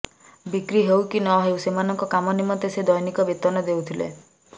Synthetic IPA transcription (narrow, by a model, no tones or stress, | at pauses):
bikɾiɦewkinɔɦewsemanɔŋkɔkamɔnimɔnt̪esed̪ɔjɔnikɔbet̪ɔnɔd̪ewt̪ʰilḛ